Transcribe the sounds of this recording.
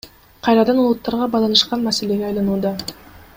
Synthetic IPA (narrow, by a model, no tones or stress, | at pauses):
qʰɑjɾɑd̪ɑnulˠut̪ːɑɾʁɑbɑlˠɑnɯʃqɑnmase̞le̞ɡeɑjlˠɑnuːd̪ɑ